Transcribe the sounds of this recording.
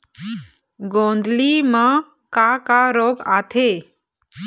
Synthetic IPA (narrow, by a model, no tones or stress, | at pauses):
ɡõnd̪lima | kakaɾoɡat̪ʰe